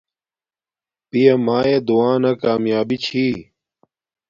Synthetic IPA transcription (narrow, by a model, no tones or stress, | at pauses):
pijɐmaːed̪uaːnɐkaːmjaːbit͡ɕʰiː